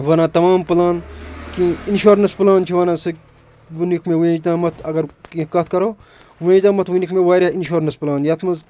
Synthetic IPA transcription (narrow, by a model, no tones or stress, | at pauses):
ʋɐnãːt̪ɐmãːmplaːnkĩinʃoːɾnɐsplaːnt͡ʃʰiʋɐnãːsɨ | ʋunikmẽʋẽːd͡ʒd̪ãːmɐt̪ʰɐɡɐɾkikɐt̪ʰkɐɾoː | ʋẽːd͡ʒd̪ãːmɐt̪ʰʋinikmẽʋaːɾainʃoːɾnɐsplaːnjɐt̪ʰmɐz